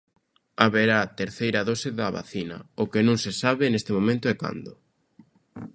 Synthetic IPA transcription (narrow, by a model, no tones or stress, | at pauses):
aβeɾaːt̪eɾθejɾɐðosɪðaβa̰θinɐ̰ʊkɪnũŋsesaβɪnest̪ɪmõmẽnt̪ʊɛka̰nd̪ʊ